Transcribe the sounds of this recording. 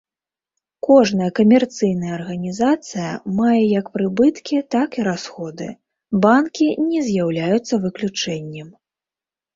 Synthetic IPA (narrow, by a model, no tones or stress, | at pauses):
kɔʐnɐjɐkɐmʲɛrt̪sɨjnɐjɐːrɣɐnʲizat̪sɨjɐ̰majɛjɐkpɾɨbɨt̪kʲit̪akiɾasxɔd̪ɨ̰ | bankʲinʲɛzʲjawlʲajut̪sːɐvɨklʲut͡ʂɛnʲːɛm